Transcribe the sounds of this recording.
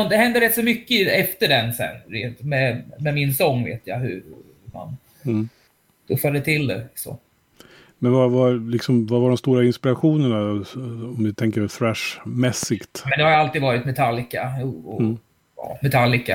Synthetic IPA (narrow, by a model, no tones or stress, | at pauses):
d̪ɛhɛnd̪əɾɛt̪ːsɔmʏkːəɛft̪əɖɛnsɛ̰nɾeːnt̪mɛmɛmɪnsɔŋːvḛːt̪ja̰ɦɵ̰ | ma̰n | t̪ʰɵfːad̪ət̪ʰɪld̪ɛ̰sɔ̰ | mɛnvavalɪksɔmvavaɖɔmst̪uːɾaɪnspɪɾaɧuːnəɳaɔmd̪ɪt̪ʰɛŋkəɾfɾɛʂmɛsːɪkt̪mɛnd̪ɛhaɾjalt̪id̪vɑːɾɪt̪mɛt̪ʰalːɪkauɔ | ɑ̰ːmɛt̪ʰalːɪka